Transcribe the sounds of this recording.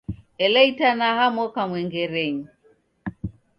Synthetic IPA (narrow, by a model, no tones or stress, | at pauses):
ɛlɛitanahamɔkamwɛŋɡɛɾɛɲi